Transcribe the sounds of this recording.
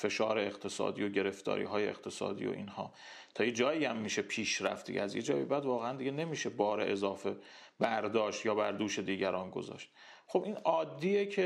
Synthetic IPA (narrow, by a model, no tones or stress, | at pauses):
fe̞ʃɒːɾeeqt̪ʰe̞sɒ̰ːd̪ḭːjo̞ɟe̞ɾe̞ft̪ɒ̰ːɾḭːɦɒːjeḛqt̪ʰe̞sɒ̰ːd̪ḭːjo̰ʔḭːnhɒː | t̪ʰɒːjed͡ʒɒːjiːæmːiːʃepʰiːʃɾæ̰ft̪d̪ḭɟḛæzjed͡ʒɒːjḭbæd̪vɒːɣeænd̪iɟe̞ne̞miːʃe̞bɒːɾeʔezɒːfe̞ | bæɾd̪ɒːʃt̪jɒːbæɾd̪uːʃe̞d̪iːɟæɾɒːnɡo̰zɒ̰ːʃt̪ | χobinɒːd̪ːiːjecʰe